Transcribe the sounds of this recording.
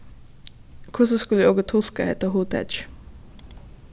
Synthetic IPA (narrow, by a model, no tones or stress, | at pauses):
kʰʊsəskʉlːoːɡət̪ʰɔlkəheːt̪əhuːt̪ʰɛ̰dd͡ʒ